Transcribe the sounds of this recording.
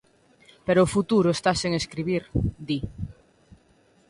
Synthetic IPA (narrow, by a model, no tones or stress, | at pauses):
peɾoːfut̪uɾʊest̪aseŋeskɾiβ̞iɾd̪i